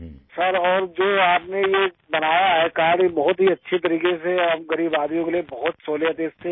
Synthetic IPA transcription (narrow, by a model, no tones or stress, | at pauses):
sɐɾɔːɾd͡ʒoːaːpneje | bɐnaːjaɦɛkaːɽibɐɦʊt̪ɦiɐtːʃʰet̪ɐɾiːkeseɐmɡɐɾiːbaːd̪ijõkeliebɐɦʊt̪soːlijət̪eːst̪ʰe